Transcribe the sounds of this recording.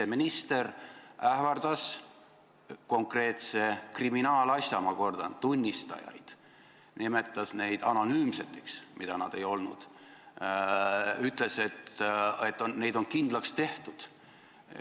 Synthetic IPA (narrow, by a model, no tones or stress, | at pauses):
eminist̪e̞ræhvɑrd̪̥ɑs | ko̞ŋkre̞ːt̪se̞kriminɑːlɑsʲjɑmɑko̞rd̪̥ɑ̰nt̪unʲːist̪ɑ̰jɑ̰jd̪̥ | nimet̪ːˑɑsne̞jd̪̥ɑno̞nyːmse̞t̪ːˑeksmid̪̥ɑnɑ̰d̪̥e̞jo̞lnṵd̪̥ | yt̪ːˑle̞se̞t̪et̪ːˑonne̞jd̪o̞nkind̪̥lɑkst̪e̞ht̪ud̪̥